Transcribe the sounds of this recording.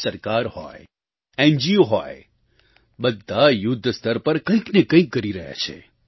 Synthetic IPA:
səɾkaɾhɔ̰e | ɛnd͡ʒioɦɔj | bəd̪ʱːajʊd̪ʱːst̪ʰəɾpəɾkə̃ĩknekə̃ĩkːəɾiɾəɦja̰t͡ʃʰḛ

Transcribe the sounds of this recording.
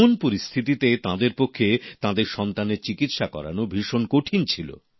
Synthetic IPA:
onpoɾist̪ʰit̪it̪et̪ãd̪eɾpokʰːet̪ãd̪eɾʃɔnt̪aneɾt͡ɕikit̪ʃakɔ̰ɾa̰nobʱiʃonkoʈʰint͡ɕʰilo̰

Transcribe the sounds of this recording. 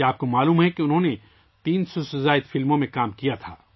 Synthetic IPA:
aːp̚komaːluːmɦɛkeʊnɦõne | t̪iːnsɔsʊzaːɪd̪fɪlmõmẽkaːmkijat̪ʰaː

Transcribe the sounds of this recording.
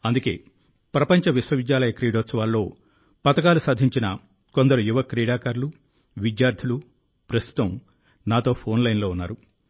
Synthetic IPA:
ɐnd̪uke̞̰ː | pɾɐpɐɲt͡ʃɐʋiswɐʋid̪jaːlɐjɐkɾiːɽoːt̪sɐʋaːlːo̞ː | pɐt̪ɐkaːlusaːd̪ʱiɲt͡ʃinɐ | ko̞nd̪ɐɾujuʋɐkɾiːɽaːkaːɾlu | ʋid̪jaːɾd̪ʱilu | pɾɐst̪u̥t̪ɐm | naːt̪o̞ːpʰo̞ːnlɐjnlo̞ːunːa̰ːɾu

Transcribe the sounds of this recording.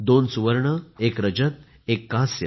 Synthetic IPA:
d̪onsuʋəɾɳəekɾəd͡ʑət̪ | ekːasjə̰

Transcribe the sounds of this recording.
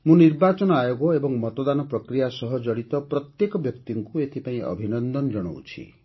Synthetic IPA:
mũniɾbat͡ʃɔnɔajoɡɔebɔŋmɔt̪ɔd̪anɔpɾɔkɾijasɔɦɔd͡ʒɔɽit̪ɔpɾɔt̪jekɔbjɔkt̪iŋkuet̪ʰipaĩʔɔ̰bʱinɔnd̪ɔnɔd͡ʒɔɽ̃o̰ṵt͡ʃʰḭ

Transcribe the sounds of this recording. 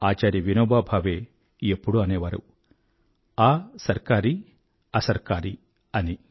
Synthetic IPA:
aːt͡ʃaːɾjiʋinoːbaːbʱaːʋeː | epːuɽuɐneːʋaːɾṵ | aːsɐɾkaːɾi | ɐsɐɾkaːɾi | ɐni

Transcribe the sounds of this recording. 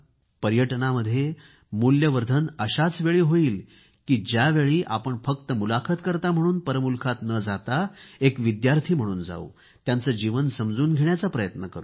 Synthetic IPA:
pəɾjəʈnaməd̪ʱːje | muljəʋəɾd̪ʱənəɕat͡sʋeɭiːɦoiːl | kiːd͡ʑjaʋeɭiːʔapəɳfək̚t̪əmulakʰət̪kəɾt̪am̤əɽ̃uːnpəɾəmulkʰat̪nəd͡zat̪aekʋid̪jaɾt̪ʰiːm̤əɽ̃uːnd͡za̰ṵ | t̪jant͡səːd͡ʑiʋənsəmd͡zuːnɡʱeɳjat͡sapɾəjət̪nəkəɾuː

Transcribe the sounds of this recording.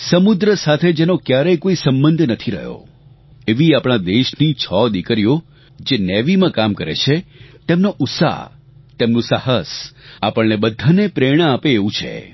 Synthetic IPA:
səmud̪ɾəsat̪ʰed͡ʒenokjaɾəjkoisəmbənd̪ʱnət̪ʰiɾə̰ɦjo̰ | eʋiapɽ̃ad̪eʃnit͡ʃʰɔd̪ikəɾijo | d͡ʒenɛʋimãkamkəɾḛt͡ʃʰet̪emnoʔʊtsa̰ | t̪emnũsaɦəsapəɳnebəd̪ʱanepɾeɽ̃aapeːʋũt͡ʃʰḛ

